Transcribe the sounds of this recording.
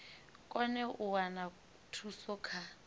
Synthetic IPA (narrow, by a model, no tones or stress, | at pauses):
kʼɔnɛʔʊwana | tʰusɔkʰa